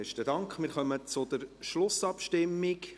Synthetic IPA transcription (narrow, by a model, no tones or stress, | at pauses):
ɛʃtədɑŋkχmɪːɾχœmət͡sʊd̪̥əɾʃlʊsɑpʃtɪmːɪk